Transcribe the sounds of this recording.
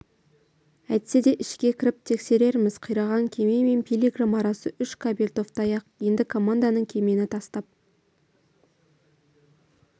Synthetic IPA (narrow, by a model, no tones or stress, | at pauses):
æjt̪se̞d̪e̞ʔɪʃkʲe̞kʲʰɪɾɪp̚t̪ʰe̞kse̞ɾe̞ɾmɪz̥qʰəjɾɑʁɑŋkʲʰe̞me̞me̞npʰʲijlʲiɡramɑɾɑsəʔʏʃkʰabelʲt̪o̞ft̪ɑjɑqje̞nd̪ɪkʰo̞mand̪anəɴkʲʰe̞me̞nɪt̪ʰɑst̪ɑp̚